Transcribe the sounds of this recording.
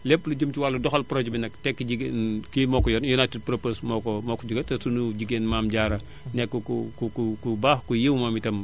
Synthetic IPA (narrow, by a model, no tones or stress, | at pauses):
lepːluɟəmt͡ʃiwalːɐdɔxɐlpɾɔɟbinɐktɛkːiɟiɡenkimɔkɔjɔnjɔnatːipɾoposmɔkɔmɔkɔɟuɡɐtɐsunuɟiɡenmaːmɟaːɾɐ | nɛkːɔkukukukubaːxkujewmamitɐm